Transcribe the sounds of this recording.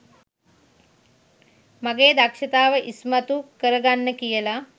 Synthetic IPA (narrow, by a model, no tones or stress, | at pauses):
maɡeːd̪akʃət̪aːʋəʔismat̪ukəɾəɡanːəkijəla